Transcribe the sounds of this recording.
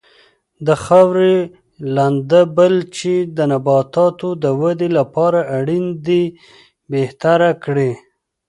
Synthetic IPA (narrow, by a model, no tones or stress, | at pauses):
d̪əxawɾe | land̪əbəlt͡ʃed̪ənabɑt̪ɑt̪od̪əwad̪elapɑɾaʔaɽind̪i | beht̪aɾakɽe